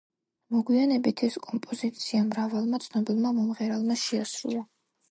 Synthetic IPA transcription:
mɔɡwianɛbit̪ʰɛskʼɔmpʼɔzit̪sʰiamɾavalˠmat̪sʰnɔbilˠmamɔmʁɛɾalˠmaʃɛasɾṵlˠa

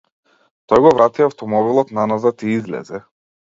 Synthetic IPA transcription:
t̪ɔjɡɔvɾat̪iaft̪ɔmɔbilˠɔt̪nanazat̪iizlɛ̰zɛ

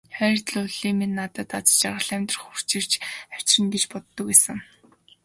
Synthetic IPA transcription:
χæɾʲɪ̆t̪ɮuɮiminːat̪ə̆t̪at͡st͡ɕaʁə̆ɮæmʲt̪rə̥̆χur̥t͡ɕɪ̆r̥t͡ɕæw̥ʲt͡ɕrɘ̆nɡ̪et͡ɕpɔt̪ːə̆kwæːsə̆ŋ

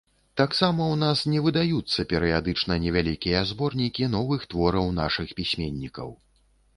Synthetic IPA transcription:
t̪aksamɐwnasnʲɛvɨd̪ajut̪sːɐpʲɛɾɨjad̪ɨt͡ʂnɐnʲɛvʲalʲikʲijɐzbɔrnʲikʲinɔvɨxt̪vɔɾɐwnaʂɨxpʲisʲmʲenʲːikɐ̰w

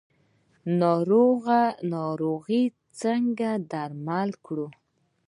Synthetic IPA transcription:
nɑɾoɣanɑɾoɣi | t͡səŋɡad̪aɾmalkɽu

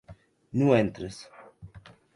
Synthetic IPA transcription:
nuɛnt̪ɾəs

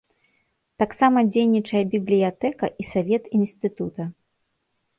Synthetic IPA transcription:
t̪aksamɐd͡zʲejnʲit͡ʂɐjɐbʲiblʲijat̪ɛkɐʔisavʲɛt̪inst̪ɨt̪ut̪ɐ

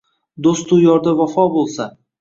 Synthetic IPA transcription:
d̪ost̪ʊjɒɾd̪avafɒbolˠsa

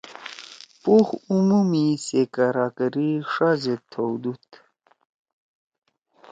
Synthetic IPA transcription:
puxumumisekaɾakəɾiʂazet̪ʰːowd̪ut̪

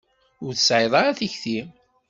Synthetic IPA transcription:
ʊɾθəsʕeðˤɑɾaθiçθim

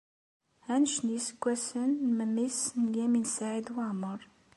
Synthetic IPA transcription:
hænʃnjəsə̥ɡʷːæsənməmisnəljæminsaʕid̪waʕməɾˤ

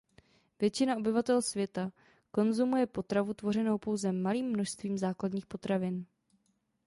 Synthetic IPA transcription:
vjɛt͡ʃɪnaʔo̞bɪvat̪ɛlsvjɛt̪a | ko̞nzumujɛpo̞t̪ɾavut̪vo̞r̝ɛno̞wpo̞wzɛmaliːmːno̞ʃst̪viːmzaːkladɲiːxpo̞t̪ɾavɪn

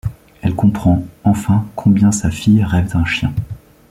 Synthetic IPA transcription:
ɛlkɔ̃pχɑ̃ɑ̃fɛ̃kʰɔ̃bjɛ̃safijʁɛvt̪ɛ̃ʃjɛ̃

